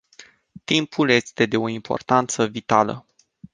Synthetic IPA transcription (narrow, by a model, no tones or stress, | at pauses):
t̪impulje̞st̪e̞d̪e̞o̞impʰo̞̰rt̪ant̪səvit̪alə̰